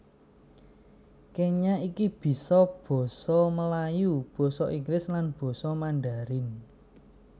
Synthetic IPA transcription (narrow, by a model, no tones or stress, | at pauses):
keɲaʔikib̥i̤sɔb̥ɔ̤sɔməlajub̥ɔ̤sɔʔiŋɡlɪslanb̥ɔ̤sɔmaɳɖaɾɪn